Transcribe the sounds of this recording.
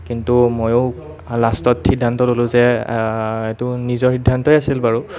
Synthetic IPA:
kintumojo | lastɔtxidʱːantɔlolʊzɛ | etʊnizɔɹxidʱːantɔjasilbaɹu

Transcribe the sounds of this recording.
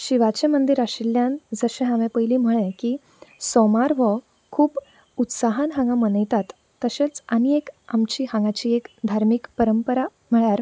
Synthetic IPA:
ɕiʋat͡ɕẽmənd̪iɾaɕiljãnd͡zəɕẽɦãʋẽpəjliːm̤əɭẽki | sɔmaɾʋə | kʰuːp | ut̪saɦanɦãŋɡamənəjt̪at̪ː | əɕet͡saniekamt͡ɕiːɦãŋɡat͡ɕiːekd̪ʱaɾmikpəɾəmpəɾa | m̤əɭjaɾ

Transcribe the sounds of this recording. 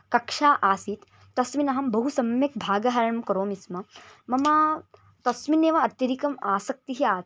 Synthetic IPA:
kɐkʂaːʔaːsiːt̪ː | ɐsminɐɦɐmbɐɦusɐmjɐk̚bʱaːɡɐɦɐɾɐɳɐmkɐɾoːmismɐmɐmaː | t̪ɐsmineːʋɐɐt̪jɐɾikɐmaːsɐk̚t̪iɦiaː

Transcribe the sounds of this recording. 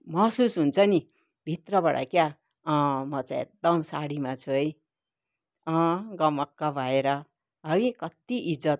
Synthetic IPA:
mʌɦsusɦunt͡sʰʌni | bʱit̪rʌbaɽa̰kja | ʌ̃mʌt͡sãĩḛk̚d̪ʌmsaɽimat͡sʰuʌj | ʌ̃ɡʌmʌkːabʱaeɾʌ | ʌɡikʌt̪iʔid͡zʌt̪̚

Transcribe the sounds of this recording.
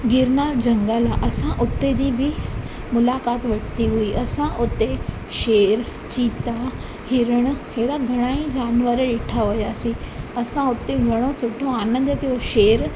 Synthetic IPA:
ɡɪɾnaːɾd͡ʑəŋɡalaʔɐsãʔʊt̪ːed͡ʑiːbʱi | mʊlakat̪ʋɐʈt̪iɦuiːʔɐsãʔʊt̪ːe | ʃeɾ | t͡ɕiːt̪a | hɪɾəɽ̃heɽaɡʱəɽ̃aːĩd͡ʑaːnʋəɾɖeʈʰaɦojaːsĩəsãʊt̪ːeɡʱɐɽ̃osʊʈʰoaːnə̃nd̪əkĩoʃeɾ

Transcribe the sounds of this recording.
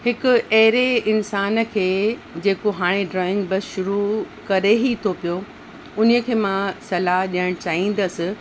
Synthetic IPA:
hɪkʊ̆ɐɦɪɾeɪnsaːnə̆kʰeːd͡ʑeːkoɦaːɽ̃eɖɾɔːɪ̃ŋɡbɐsʃʊɾukɐɾeɦit̪ʰopijo | ʊnijə̆kʰeːmãsɐlaɦɗiəɽ̃t͡ɕaːĩːn̆d̪əsɪ̆

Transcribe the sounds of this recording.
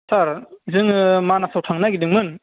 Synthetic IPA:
saɾzɯŋɯmanasʰawtʰaŋnaɡidɯŋmɯn

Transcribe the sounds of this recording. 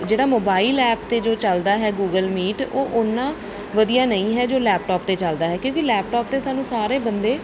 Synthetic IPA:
d͡ʒeːɽaːmoːbaːɪlɛːpt̪eːd͡ʒoːt͡ʃəld̪aːɦɛːɡuːɡəlmiːʈoːʔʊnːãː | ʋəd̪ijaːnəĩːɦɛːd͡ʒoːlɛːp̚ʈɔːp̚t̪eːt͡ʃəld̪aːɦɛːkjõːkilɛːp̚ʈɔːp̚t̪eːsaːnũːsaːɾeːbənd̪eː

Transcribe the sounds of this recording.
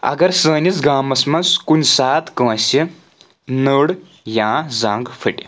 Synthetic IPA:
ɐ̰ɡɐɾsəːnit͡sɡaːmɐsmɐnskunsaːt̪kə̃ːsʲi | nəɽ | jãːd͡zãːŋɡfʰəʈi

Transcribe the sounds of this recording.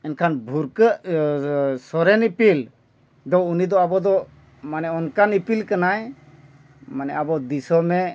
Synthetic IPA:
ɛnkʰanbʱuɾkəʔ | sɔɾɛnipil | d̪ɔunid̪ɔabɔd̪ɔ | manɛɔnkanipilkanaj | manɛ̰abɔd̪isɔmɛ

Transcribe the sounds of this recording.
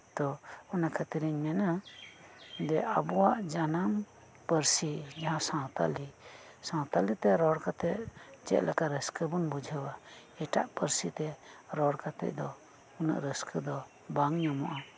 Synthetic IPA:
t̪ɔɔnakʰat̪iɾiɲmɛna | d̪ɛʔabuwaʔd͡ʒanam | pəɾsid͡ʒaɦãsãwt̪a̰li | sãwt̪alit̪ɛɾɔɽkat̪ɛt̚d͡ʒɛ̰ʔlakaɾəskəbunbud͡ʒʱəwa | ɛʈa̰ʔpəɾsit̪ɛɾɔɽkat̪ɛ̰ʔ̚d̪ɔ | una̰ʔɾəskʰəd̪ɔ | baŋɲamɔʔa

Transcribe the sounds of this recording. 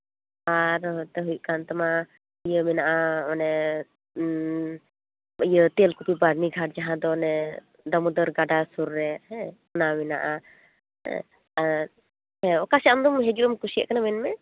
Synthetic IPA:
aɾɦɔt̪ɛɦujuʔkant̪ama | ijəmɛnaʔaɔnɛ | ijət̪elkupibaɾniɡʱaʈ̚d͡ʒaɦãd̪ɔnɛ | d̪amud̪əɾɡaɖasuɾːɛhɛ̃ɔnamɛna̰ʔa | ɛ̰̃ | aɾ | hɛ̃ɔkasɛamd̪ɔmɦɛd͡ʒuɾɔmkusijə̰ʔkanamɛnmɛ

